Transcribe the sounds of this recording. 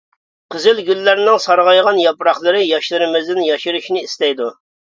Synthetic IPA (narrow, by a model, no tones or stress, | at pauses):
qʰəzɪlɡʲylːæɾnɪŋsɑɾʁɑjʁɑnjɑpɾɑχlˠɨɾɨjɑʃlˠɨɾɨmɪzd̪ɪnjɑʃiɾuʃnɪist̪ɛjd̪u